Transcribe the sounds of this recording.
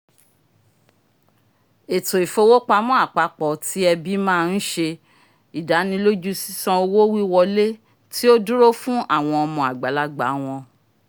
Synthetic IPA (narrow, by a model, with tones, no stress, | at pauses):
e˨to˨i˨fo˧˦wo˦k͡pa˧˦mɔ̃˦a˦˨k͡pa˧˦k͡pɔ˨tʰi˦ɛ˧bi˦mãː˦˧n̩˦ʃe˧ | i˨da˨˦nĩ˧˦lo˦d͡ʒu˦si̥˦sɔ̃˦˧o˧wo˦wi˦wɔ˧le˦ | ti˦o˦du˦ɾo˦fũ˦ʔa˦˨w̃ɔ̃˧ɔ˧mɔ̃˧˨a˨ɡ͡ba˨la˧ɡ͡ba̰˨˦w̃ɔ̃˧